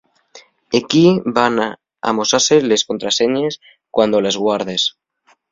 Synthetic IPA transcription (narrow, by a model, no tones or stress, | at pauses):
ekibana | a̰mo̞sasele̞sko̞nt̪ɾase̞ɲes | kwand̪o̞le̞zɣwaɾð̞e̞s